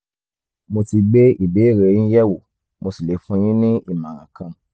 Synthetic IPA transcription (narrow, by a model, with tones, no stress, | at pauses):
mo˧ti˧ɡ͡be˦i˦˨be˨˦˨ɾe˨˦jĩ˦jɛ˦˨wo˨ | mo˧si˨le˨˦fũ˧j̃ĩ˦nĩ˦i˦˨mã˨ɾã˨kã˧